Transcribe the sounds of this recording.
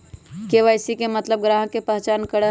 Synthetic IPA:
keʋaɪsikemət̪ləb̚ɡɾaːɦə̃kepəɦt͡ʃaːnkəɾə

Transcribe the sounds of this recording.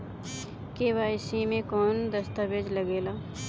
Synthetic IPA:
keːʋaːɪsimẽkɔːnd̪əst̪abed͡ʒləɡeːlaː

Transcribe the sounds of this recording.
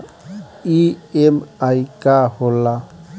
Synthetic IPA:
iemajkahola

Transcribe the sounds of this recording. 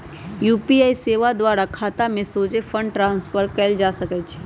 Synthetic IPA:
juːpiaːiseːʋad̪ʋaːɾakʰaːt̪amẽsoːd͡ʒefʰə̃ɳɖʈɾãːnspʰəɾkɛld͡ʒaːsəkɛt͡ʃʰː

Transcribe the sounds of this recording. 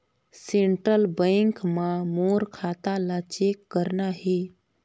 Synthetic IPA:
sẽɳʈɾəlbə̃ŋkmãmoːɾkʰaːt̪alat͡ʃekːəɾnaɦe

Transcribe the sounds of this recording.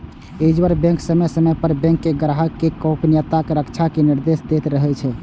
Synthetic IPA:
ed͡ʒʋəɾbɛ̃ŋksəməsəmɛpəɾbɛ̃ŋkːeɡəɾaɦəkːekɔ̃pnijət̪akeɾəkt͡ʃʰakeniɾd̪esd̪et̪ɾəɦɛt͡ʃʰɛ

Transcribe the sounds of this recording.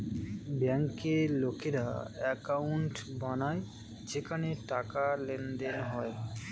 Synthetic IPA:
bɛŋkeɾlokeɾa̰ɛkawɳʈbanae | d͡ʑekʰaneʈakalend̪enɦɔe

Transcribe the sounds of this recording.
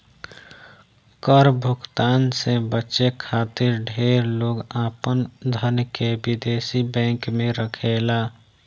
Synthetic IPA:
kəɾbʱʊɡt̪aːnsebətːʃekʰaːt̪ɪɾɖʱeːɾloːɡaːpənd̪ʱəɾnjkebɪd̪eːsibɛ̃ːŋkmẽɾəkʰeːlaː

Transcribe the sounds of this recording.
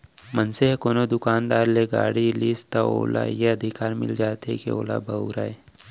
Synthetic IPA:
mənseɦkoːnod̪ʊkaːnd̪aːɾleɡa̰ːɽiliːst̪ao̰ːla̰jeɐd̪ʱɪkaːɾmɪ̰ld͡ʒaːt̪ɦḛkḭo̰ːla̰bʱɐʊɾaːeː

